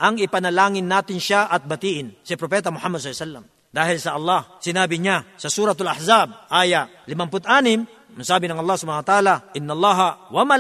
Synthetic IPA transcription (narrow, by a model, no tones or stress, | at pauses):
ʔɐŋɪpɐnɐlaːŋɪnːaːt̪ɪnʃaʔɐt̪̚bɐt̪iːʔɪnsɪpɾopɛːt̪ɐmʊħamːɐd̪slːsalːɐm | d̪aːhɪlsɐʔɐlˠːɑhsɪnaːbɪɲasɐsuːɾɐt̪ʊlaħzab̚ʔaːjaʔ | lɪmɐmpʊt̪ʔaːnɪm | masaːbɪnɐŋʔɐlˠˤːahsʊbaːnwɐt̪ʔaːlaʔɪnːɐlˠˤːɑːɦɐwɐma